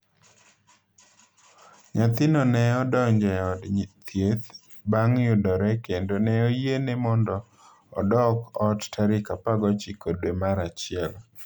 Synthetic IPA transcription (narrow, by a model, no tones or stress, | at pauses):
ɲat̪ɪnɔnɛɔdɔɲd͡ʒɛɔdɲt̪jet̪ | baŋjʊdɔɾɛkendonɛojenɛmɔndɔ | ɔ̰dɔkɔttʰaɾɪkapaɡɔt͡ʃikodemaɾat͡ʃɪɛl